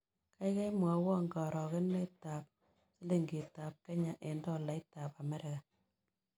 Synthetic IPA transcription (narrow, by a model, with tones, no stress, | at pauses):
ka˦i˦kɛ˦mwa˨˦wɔ˦ŋɡɔ˨ɾɔ˨ke˦nme˦ta˨p̚ | se˦le˦ŋɡe˨ta˨p̚kɛ˦ɲa˨ʔe˨ndɔ˦la˨ɪ˦ta˨pa˨mɛ˦ɾɪ˨ka˨